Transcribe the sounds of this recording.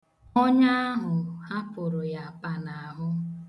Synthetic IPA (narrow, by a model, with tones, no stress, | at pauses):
ɔ˦ɲa˦a˦ɦʊ˨ha˦pʊ˨ɾʊ˨ja˨pa˨na˨a˨ɦʊ˦